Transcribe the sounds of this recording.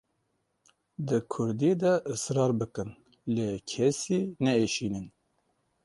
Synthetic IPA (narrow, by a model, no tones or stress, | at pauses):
d̪ɨkʰʊɾd̪id̪ɛʔɨsɾɑːɾbɨkɨn | leːkʰɛsiːnɛeːʃiːnɨn